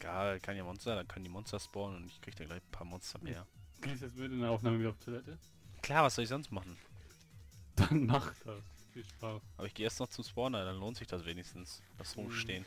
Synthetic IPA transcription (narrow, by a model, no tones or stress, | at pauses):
ɡ̥aːlkʰanjaːmɔnstɐdankʰandiːmɔnstɐspɔɐnʊntɪçkʁ̥iːɡ̚d̥aːɡlaɪçn̩pʰaːɐmɔnstɐmḛːɐɡ̥eːsjɛsmɪtɪndeɐʔaʊfnaːməvidaʊftʰulɛtə | kʰl̥aːɐvasz̥ɔlɪçz̥ɔnstmaχn̩ | d̥anmaχt̚d̥asfiːlʃpaːsʔaːbɐɪçɡ̥eːʔɛstnɔχt͡sʊmspɔɐnvadanloːntz̥ɪçd̥asv̥eːnɪçstn̩sd̥asʁʊmʃteːn